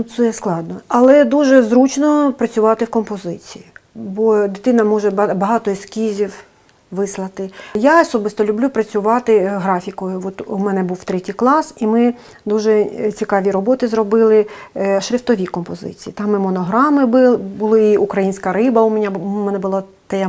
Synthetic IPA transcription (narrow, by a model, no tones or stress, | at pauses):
nʊt̪sɛsklˠɑd̪nɔɐlˠɛd̪uʒɛzɾut͡ʃnɔpɾɐt͡sʲʊʋɑt̪ɪwkɔmpɔzɪt͡sʲijibɔd̪ɪt̪ɪnɐmɔʒɛbɐɦɑt̪ɔiskʲizʲiw | ʋɪslˠɐt̪ɪjaɔsɔbɪst̪ɔlʲʊblʲupɾɐt͡sʲʊʋɑt̪ɪɦɾɑfʲikɔjʊʋɔt̪umɛnɛbuwt̪ɾɛtʲijklˠɑsimɪ | d̪uʒɛt͡sʲikɑʋʲiɾɔbɔt̪ɪzrɔbɪlˠɪʃɾʲɪft̪ɔʋʲikɔmpɔzɪ̰t͡sʲijit̪ɑmːɪmɔnɔɦɾɑmɪbɪlbʊlˠɪiukɾɐjinʲsʲkɐɾɪbɐʊmɛnʲamɛnɛbʊlˠɑ | t̪ɐja